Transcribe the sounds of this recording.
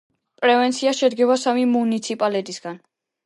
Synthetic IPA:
pʼɾɛvɛnt̪sʰiaʃɛd̪ɡɛbasamimunit̪sʰipʼalɛt̪ʼisɡan

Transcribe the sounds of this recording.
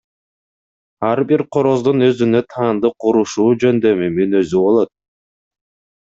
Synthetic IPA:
ɑɾbiɾqʰo̞ɾo̞zd̪unø̞zynø̞t̪ʰɑːnd̪ɯqʰuɾuʃuːd͡ʒø̞nd̪ø̞mymynø̞zyβo̞lˠo̞t̪̚

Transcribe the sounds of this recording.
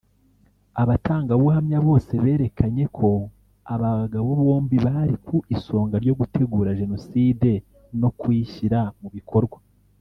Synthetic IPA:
aβataːŋɡaβuhamɲaβo̞ːse̞βe̞ːɾe̞kʰaɲe̞kʰo̞ | aβaɡaβoβo̞ːmbiβaɾikuʔiso̞ːŋɡaɾɟo̞ɡutʰe̞ɡuːɾaʒe̞no̞siːde̞ | no̞kwiːçiɾamuβikʰo̞ɾɡwa

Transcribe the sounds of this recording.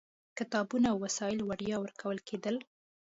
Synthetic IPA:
kɪt̪ɑbunaːwwasɑɪlwaɽjɑwəɾkʰawəlkʰed̪əl

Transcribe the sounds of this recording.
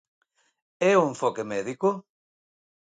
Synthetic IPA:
ɛũɱfɔkemɛðiko

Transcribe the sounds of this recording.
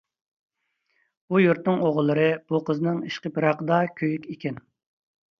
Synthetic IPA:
ujuɾt̪nɨŋoʁlˠːɨɾɨb̥uqʰəzɨnɨŋiʃqəpiɾɑqəd̪ɑkʲʰøjykʲekʲɛn

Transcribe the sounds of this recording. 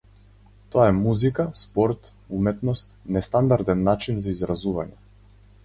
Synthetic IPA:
t̪ɔaɛmuzikaspɔɾt̪ | umɛt̪nɔst̪nɛst̪and̪aɾd̪ɛnːat͡ʃinzaizɾazuva̰ɲɛ

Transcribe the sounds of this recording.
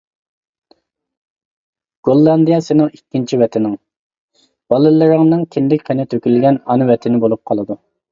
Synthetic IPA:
ɡ̥olˠːɑnd̪ijɑsɪnɪŋikʲːint͡ʃʰiwɛt̪ʰɪnɪŋ | b̥ɑlˠɨlɪɾɪŋnɨŋkʲʰɪnd̪ɪk̚ʲqʰenɪt̪ʰøkʲylɡʲɛnɑnɨwɛt̪ʰɪnɪbolˠup̚qʰɑlˠɨd̪u

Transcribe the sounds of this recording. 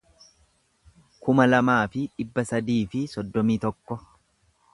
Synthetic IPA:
kʊmɐlɐmaːfɪᶑɪbːɐsɐd̪iːfɪsɔd̪ːɔmiːt̪ɔkːɔ

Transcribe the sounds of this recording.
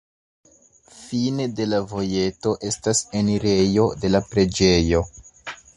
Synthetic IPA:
fine̞de̞lavo̞je̞to̞ʔe̞stase̞niɾe̞jo̞de̞lapɾe̞d͡ʒe̞jo̞

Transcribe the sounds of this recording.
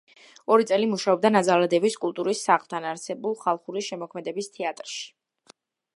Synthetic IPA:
ɔɾit̪sʼɛlimuʃaɔb̚d̪anad̪zalˠad̪ɛviskʼulˠt̪ʼuɾisːaχlˠt̪ʰanaɾsɛbulˠχalˠχuɾiʃɛmɔkʰmɛd̪ɛbist̪ʰɛat̪ʼɾʃi̥

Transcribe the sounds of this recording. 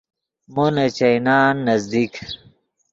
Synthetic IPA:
monɐt͡ɕɐjnaːnːɐzd̪ik

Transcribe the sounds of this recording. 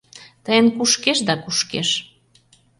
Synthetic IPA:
t̪əjənkuʃkeʃd̪ɑkuʃkḛʃ

